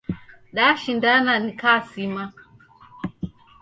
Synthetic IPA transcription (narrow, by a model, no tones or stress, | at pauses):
ɗaʃindananikasima